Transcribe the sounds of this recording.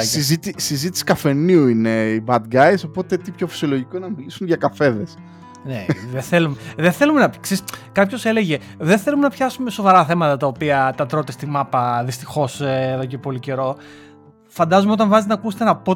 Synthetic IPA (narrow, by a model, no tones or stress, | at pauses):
sizit̪isizit̪i̥si̥kɐfe̞niuineibɐd̪ɡɐjso̞po̞t̪e̞t̪ipço̞fi̥sio̞lo̞ʝikonɐmilisunʝɐkɐfe̞ðes | neðeθelumeðeθe̞lumenɐkseskɐpço̞se̞le̞ʝe̞ | ðenθe̞lumenɐpçɐsume̞so̞vɐɾɐθe̞mɐt̪ɐt̪ɐopiɐt̪ɐt̪ɾo̞t̪e̞st̪imɐpɐðist̪i̥xo̞sːðo̞ce̞po̞lice̞ɾo̞ | fɐnd̪ɐzumeot̪ɐɱvɐzet̪enɐkuset̪enɐpo